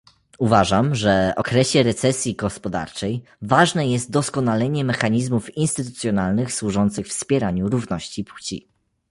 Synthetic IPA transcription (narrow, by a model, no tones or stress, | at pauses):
uvaʐamʐɛɔ̰kɾɛɕɛɾɛt̪sɛsʲjiɡɔspɔd̪a̰ɾt͡ʂɛj | vaʐnɛjɛst̪̚d̪ɔskɔnalɛɲɛmɛxaɲizmufinst̪ɘt̪ut̪sʲjɔnalnɘxswuʐɔnt̪sɘxfspʲjɛɾaɲuɾuvnɔɕt͡ɕiput͡ɕḭ